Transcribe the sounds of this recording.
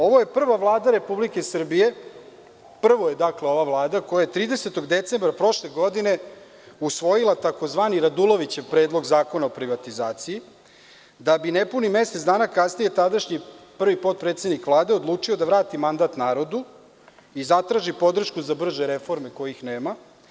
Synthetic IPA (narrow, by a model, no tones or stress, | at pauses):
o̞ʋo̞je̞pr̩ʋaʋlˠaːd̪aɾe̞publike̞sr̩bije̞ | pr̩ʋo̞je̞d̪akleo̞ʋavlˠaːd̪akojajet̪ɾiːd̪e̞set̪o̞ɡd̪e̞t̪se̞mbɾapɾo̞ʃle̞ɡo̞d̪ine̞ | usʋo̞jilˠat̪ako̞zʋaːniɾad̪ulˠo̞ʋit͡ɕeʋpɾeːd̪lˠo̞ɡzaːko̞naopɾiʋat̪izaːt̪sii | d̪abinepunime̞set̪d̪aːnakasnije̞t̪ad̪aʃɲipr̩ʋipo̞t̪̚pɾet̪sed̪nikʋlˠaːd̪e̞od̪lˠuːt͡ʃio̞d̪aʋɾaːt̪imand̪aːt̪naːɾo̞d̪u | izat̪ɾaːʒipo̞d̪r̩ʃkuzabr̩ʒeɾe̞fo̞ɾmeko̞jixneːma